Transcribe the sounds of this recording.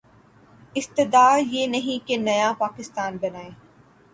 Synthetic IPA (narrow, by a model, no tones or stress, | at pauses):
ɪst̪ɪd̪aːjenɐɦĩkenɐjapaːkɪst̪aːnbɐnaːẽː